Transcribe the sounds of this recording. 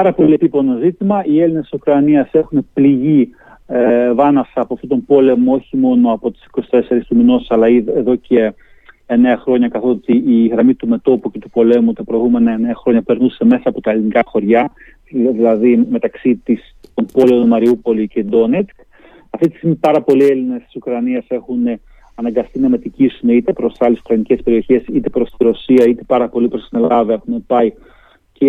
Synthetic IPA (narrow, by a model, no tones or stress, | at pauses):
ɐɾɐpo̞lie̞pipo̞no̞zit̪imɐʔielinessi̥sukɾɐniɐse̞xune̞pliʝi | vɐnɐfsɐːpoɐft̪ot̪o̞mpo̞le̞moo̞çimo̞no̞ɐpo̞t̪i̥si̥ko̞si̥t̪e̞se̞ɾist̪uminossɐlɐiðeðo̞ce̞ː | ne̞ɐxɾo̞ɲɐkɐθo̞t̪iiɣɾɐmit̪ume̞t̪o̞puce̞t̪upo̞le̞mut̪ɐpɾo̞iɣume̞nɐene̞ɐxɾo̞ɲɐpe̞ɾnuse̞me̞sɐːpo̞t̪ɐelinikɐxo̞ɾʝɐ | ðilɐðime̞t̪ɐksit̪is | t̪o̞mpo̞leo̞numɐɾiupo̞lice̞d̪o̞ne̞t͡sk | ɐft̪it̪i̥st̪imipɐɾɐpo̞lie̞linest̪i̥sukɾɐniɐse̞xune | ɐnɐŋɡɐst̪inɐme̞t̪icisune̞it̪e̞pɾost̪sɐlesu̥kɾɐnice̞spe̞ɾio̞çe̞sit̪e̞pɾo̞st̪iɾo̞siɐit̪e̞̥pɐɾɐpo̞lipɾosinelɐðɐe̞xunepɐi | ce